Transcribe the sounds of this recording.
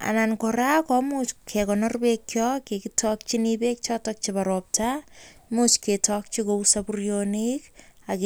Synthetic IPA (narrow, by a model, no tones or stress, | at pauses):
a̰nankoɾakɔmuskʰekɔnɔrbekːjɔkekitʰɔk̚t͡ʃinibek̚t͡ʃɔtɔk̚t͡ʃibaɾɔp̚tʰamusketʰɔk̚t͡ʃikousapurjonikak